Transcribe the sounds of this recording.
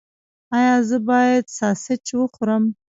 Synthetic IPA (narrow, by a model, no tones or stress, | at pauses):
ɑjɑzəbɑjad̪sɑsɪt͡ʃwəxoɾəm